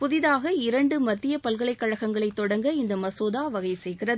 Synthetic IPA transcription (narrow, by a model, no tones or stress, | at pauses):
pʊðɪðaːɣɐɪɾɐɳɖɯmɐt̪ːɪjɐpɐlɣɐɭɐɪkːɐɻɐɣɐŋɡɐɭɐɪt̪ːɔɽɐŋɡɐɪnd̪ɐmɐsoːðaːʋɐɣɐɪsɛjɣɪrɐð